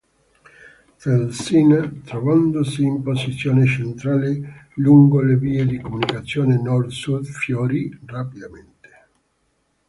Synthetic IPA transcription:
felsint̪ɾɔvand̪osiːmposit̪sːjoːnet͡ʃent̪ɾaːleluŋɡoleviːed̪ikomunikat̪sːjoːnenɔrd̪sud̪fjoɾirapid̪ament̪e̥

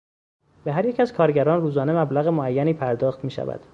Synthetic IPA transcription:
beɦæɾjecæzkʰɒːɾɟæɾɒːnruːzɒːne̞mæblæɣemoæjːæniːpʰæɾd̪ɒːxt̪miːʃæ̰væ̰d̪̥

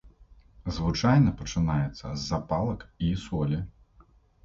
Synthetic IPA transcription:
zvɨt͡ʂajnɐpɐt͡ʂɨnajɛt̪sːɐ̰zːapalˠɐkisɔlʲi

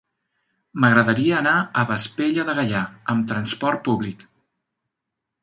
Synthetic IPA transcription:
məɣɾəðəɾiəːnaəβəspeʎəðəɣəʎaəmt̪ɾənspɔrt̪̚puβlik

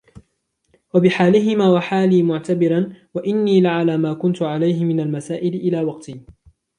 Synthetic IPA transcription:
wabɪħaːlɪɦɪmaːwaħaːliːmʊʕt̪abɪɾanwaʔɪnːiːlaʕalaːmaːkʊnt̪ʊʕalajɦɪmɪnalmasaːʔɪlɪʔɪlaːwɑqt̪iː

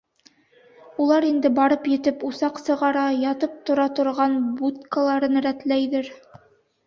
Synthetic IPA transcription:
ulˠɑɾind̪ɘbɑɾɤpjɘ̆t̪ɘpusɑqsɤ̆ʁɑɾɑjɑt̪ɤp̚t̪ŏɾɑt̪ŏɾʁɑnbut̪̚kalˠɑɾɤnɾæt̪læjðɘɾ

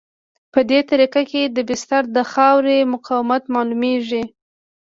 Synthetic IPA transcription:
pəd̪et̪aɾikaked̪əbɪst̪aɾd̪əxɑwɾemʊqɑwɪmat̪mɑlumeʐi

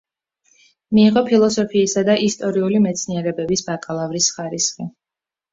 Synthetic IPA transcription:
miːʁɔpʰilˠɔsɔpʰiːsad̪aʔist̪ʼɔɾiulimɛt̪sʰniɛɾɛbɛbisb̥akʼalˠavɾisχaɾisχi

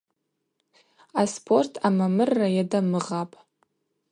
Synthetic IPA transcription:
aspʰo̞rtʰamamɨrːajadamɨʁapʼ

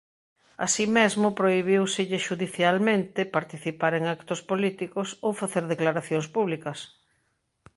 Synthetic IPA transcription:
a̰simezmʊpɾoiβ̞iwsɪʎɪʃuðiθjalmẽnt̪ɪpaɾt̪iθipaɾeŋakt̪ʊspolit̪ikʊsowfaθeɾðeklaɾaθjoŋspuβlikɐs

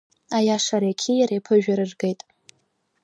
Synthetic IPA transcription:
ajaʂaɾekʲʰijaɾejpʰɨʒᶣaɾɨrɡe̞jtʼ

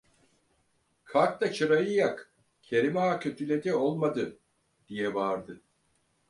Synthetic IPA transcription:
kʰaɾk̚t̪at͡ʃʰɯɾajɯjak | cʰe̞ɾimaacʲʰøt̪ʰylʲed̪ɛo̞lˠmad̪ɯ | d̪̥ijɛvaːɾd̪ɯ

